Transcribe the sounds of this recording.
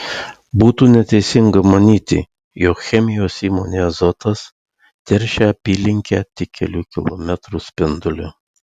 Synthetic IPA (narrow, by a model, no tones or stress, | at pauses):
buːt̪uːnʲɛt̪ʲɛɪsʲɪŋɡɐmɐnʲiːt̪ʲɪ̰ | joːkxʲɛmʲɪjoːsiːmoːnʲeːzɔt̪ɐs | t̪ʲɛɾʲʃʲɛɐpʲiːlʲɪŋʲkʲæːt̪ʲɪkʲʰːɛlʲuːkʲɪ̰lˠɔ̰mʲɛt̪ɾuːsʲpʲɪnd̪ʊlʲʊ